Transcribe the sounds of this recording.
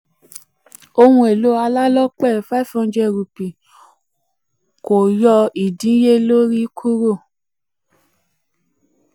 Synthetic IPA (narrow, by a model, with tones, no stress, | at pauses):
o˧hũ˧e˨lo˨˦a˧la˦lɔ˦k͡pɛ˦˨fa˦˨fɔ̃˧˦d͡ʒɛ˧˨ɾu˨pi˨ | ko˨jɔ˧i˨dĩ˨˦je˦lo˦ɾi˦kʰu˦ɾo˦˨